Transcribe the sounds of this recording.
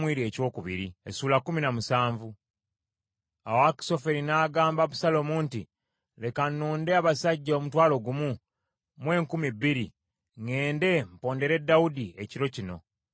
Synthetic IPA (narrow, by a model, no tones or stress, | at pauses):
mwiːɾie̞co̞ːkuβḭɾiḛsuːlakːuminamusaːɱvu | awaki̥so̞fe̞ɾinaːɡaːmbaβusalo̞muːnti | le̞kanuːnde̞aβasaɟːaomutwaːlo̞ɡumu | mwe̞ːŋkumibːiɾi | ŋe̞ːnde̞mpo̞ːnde̞ɾe̞dːawudieciɾo̞cino̞̰